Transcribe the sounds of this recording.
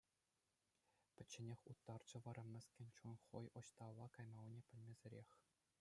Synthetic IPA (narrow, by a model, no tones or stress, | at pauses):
pʲɘ̆t͡ɕːĕnʲexʲut̪ːɑrd͡ʑɤ̆ʋɑɾɤ̆mʲːɘ̆sʲkʲĕnʲt͡ɕunχŏ̰jŏɕt̪ɑlˠːɑkɑjmɑwnʲepʲɘ̆lʲmʲezʲĕɾʲexʲ